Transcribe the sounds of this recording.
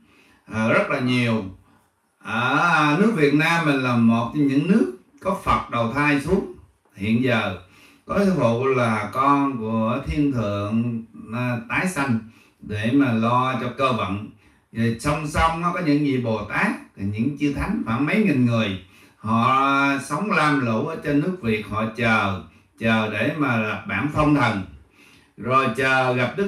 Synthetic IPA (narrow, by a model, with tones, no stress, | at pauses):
ʔəː˨˩zə˦˥t̚laː˨˩ɲi˨˩əw | ʔəː˧˩nɨ˦˥ək̚vi˨˩ət̚naː˧mːï˨˩ŋ̟laː˨˩mo˨˩t̚ɲɨ̰˧˥ŋnɨ˦˥ək̚ːɔ˨˦fə˨˩t̚ɗə˨˩wt̪ʰaː˧jsu˨˦əŋ | hḭ˧˨ənzəː˨˩ | kɔ˨˦t̪ɨ˨˧˦hṵ˧˨laː˨˩kɔ˧nku˧˥əət̪ʰi˧ənt̪ʰɨ̰˧˨əŋ˧ | t̪aː˨˦jsa˧jŋ̟ | ɗe˧˩maː˨˩lɔ˧t͡ɕɔ˧kəː˧və̰˧˨n | i˨˩sə˧wŋ͡msa˧wŋ͡mnɔ˨˦kɔ˨˦ɲɨ̰˧˥ŋzḭ˧˨ɓo˨˩t̪aː˦˥k̚ːɲɨ̰˧˥ŋt͡ɕɨ˧t̪ʰa˨˦jŋ̟faː˧˩nmə˨˦jŋi˨˩nŋɨ˨˩əj | hɔ̰˧˨sə˨˦wŋ͡mlaː˧mlṵ˧˩˥ʔəː˨˩˦t͡ɕɔ˧nɨ˦˥ək̚vi˨˩ək̚hɔ̰˧˨t͡ɕəː˨˩ | t͡ɕəː˨˩ɗe˧˩maː˨˩la˨˩p̚ɓa̰ː˧˥nfə˧wŋ͡mt̪ʰə˨˩n | zo˨˩jt͡ɕəː˨˩ɣa˨˩p̚ɗɨ˦˥